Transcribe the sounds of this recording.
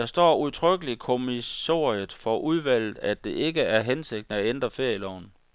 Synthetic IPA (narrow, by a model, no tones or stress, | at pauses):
ɑ̈sd̥ɒ̰ːuðˠt͡sʰʁœɡ̥əlikʰo̝miso̰ð̩ˠfɒ̽ʔuð̞ˠʋæl̰ð̩ˠæd̥e̝ʔe̝ɡ̥əæɐɦense̝ɡ̥̚d̥nəæend̥ʁɐfe̝ɐ̰jəlɒʊ̰n